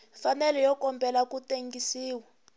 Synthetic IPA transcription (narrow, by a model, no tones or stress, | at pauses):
fanɛlɛjɔkɔmbʱɛlakuteŋɡisiːwa